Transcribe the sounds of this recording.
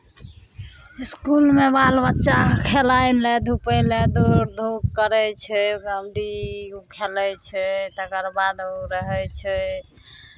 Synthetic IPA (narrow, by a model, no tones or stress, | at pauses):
iskulmebalbətːʃakʰelajlɛd̪ʱupəlɛd̪ʱuɾd̪ʱukːəɾɛt͡ʃʰɛɡəmɖikʰelɛt͡ʃʰɛt̪əkəɾbad̪ʱuɾəɦɛt͡ʃʰɛ